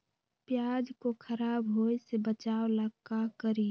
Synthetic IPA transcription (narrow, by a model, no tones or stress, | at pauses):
pjad͡ʒkokʰəɾaːbɦojsebət͡ʃawləɡkːakəɾi